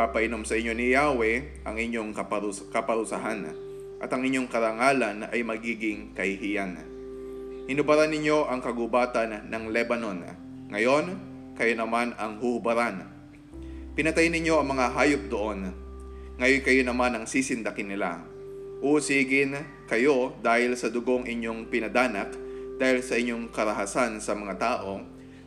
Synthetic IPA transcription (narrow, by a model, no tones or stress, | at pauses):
papɐʔɪno̞msɐʔɪɲːo̞nɪjaːwɛ | ʔɐŋʔɪɲo̞ŋkkɐpɐɾʊsaɦan | ʔɐt̪ɐŋɪɲːo̞ŋkɐɾaŋaːlɐnɐ̰jmɐɡiːɡɪŋkɐhɪhijan | hɪnʊbɐɾanːɪɲːo̞ʔɐŋkɐɡʊbaːt̪ɐnːɐŋlɛbɐno̞n | ŋɐjo̞n | kɐjo̞nɐmanɐŋhuhʊbɐɾan | pɪnɐt̪ajnːɪɲo̞ɐŋmɐŋaɦaːjop̚d̪oʔo̞n | ŋɐjojkɐjonɐmanɐŋsiːsɪnd̪ɐkɪnːɪla̰ | ʔusiːɡɪn | kɐjo̞d̪aːhɪlsɐd̪ʊɡo̞ŋʔɪɲːo̞ŋpɪnɐd̪aːnɐkd̪̥aːhɪlsɐʔɪɲːo̞ŋkɐɾɐɦasansɐmɐŋat̪aːʔo̞